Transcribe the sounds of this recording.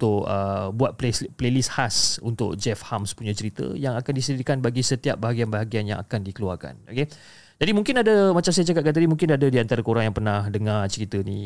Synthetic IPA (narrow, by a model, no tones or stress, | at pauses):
t̪ʊkəbuat̪̚pleplelishasṵnt̪ʊ̰k̚d͡ʒɛfhamspuɲãt͡ʃəɾit̪ə̰jaŋakandisədikanbaɡisət̪iap̚baɦaɡianbaɦaɡianja̰ŋa̰kandikəluarka̰noke | d͡ʒadimũŋkɪnadamat͡ʃamsajəd͡ʒakat̪̚kat̪t̪adimũŋkɪnadadiant̪aɾakoɾaŋjaŋpərnãhdəŋat͡ʃəɾit̪ənĩ